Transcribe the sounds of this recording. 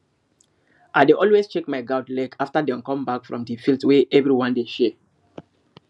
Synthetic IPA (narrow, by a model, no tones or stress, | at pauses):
ʔaɪdeʔɔlwest͡ʃekmaɪɡaʊtlɛkʰaftədɛ̃mkɔ̃mbakfɹɔ̃mdifiltweʔɛvɹiwɔ̃ndeʃɛ